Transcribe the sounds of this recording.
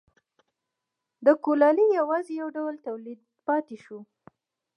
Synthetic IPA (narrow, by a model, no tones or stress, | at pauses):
d̪əkolɑlijawɑzejawɖawəlt̪awlid̪̚ | pɑt̪eʃu